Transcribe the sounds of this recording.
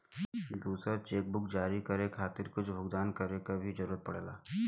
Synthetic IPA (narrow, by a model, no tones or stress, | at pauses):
d̪uːsɾat͡ʃeːk̚bʊkd͡ʒaːɾikɐɾekʰaːt̪ɪɾkʊt͡ʃʰbʱʊɡd̪aːnkɐɾekabʱid͡ʒɐɾuːɾət̪̚pɐɽːlaː